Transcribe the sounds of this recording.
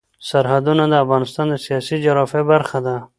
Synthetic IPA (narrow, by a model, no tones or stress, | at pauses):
saɾhad̪unad̪əafɣɑnɪst̪ɑnd̪əsijɑsid͡ʒaɾɑfebaɾxad̪a